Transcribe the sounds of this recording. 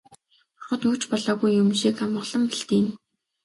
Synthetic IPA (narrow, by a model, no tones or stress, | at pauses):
ɔrχɞ̆t̪ut͡ɕpɔɮɔːɣujːumʃiːkamɢə̆ɮə̆mpiɬt̪iːm